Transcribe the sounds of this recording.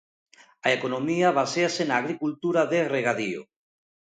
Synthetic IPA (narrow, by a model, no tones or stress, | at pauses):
aekonomiaβaseasenaːɣɾikult̪uɾaðereɣaðio̰